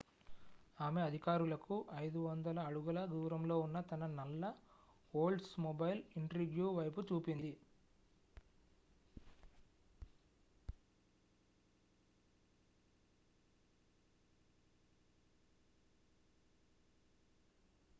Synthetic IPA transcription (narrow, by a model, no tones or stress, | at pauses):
aːme̞ɐd̪ʱikaːɾulɐkuʔɐjd̪uʋɐnd̪ɐlɐːɽuɡɐlɐɡuːɾɐmlo̞ːunːɐt̪ɐnɐnɐlːɐ | oːlɖsmobɐjliɳʈɾiɡjuːʋɐjp̬ut͡ʃuːpind̪i